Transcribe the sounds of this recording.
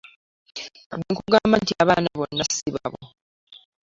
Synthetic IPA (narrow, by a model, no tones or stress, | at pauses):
diːŋkuɡaːmbantiaβaːnaβo̞nːasiβaβo̰